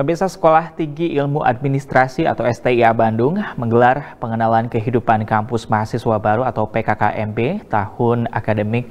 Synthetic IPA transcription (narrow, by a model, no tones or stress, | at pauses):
bərbisasə̥kolaht̪iŋɡiʔːlmuʔa̰d̚minist̪ɾasia̰t̪awɛst̪eiabandʊŋməŋɡəlarpəŋənalankəɦidupankampʊsmaɦasiswabaɾuat̪awpekakaʔɛmbet̪ahʊna̰kadəmɪk̚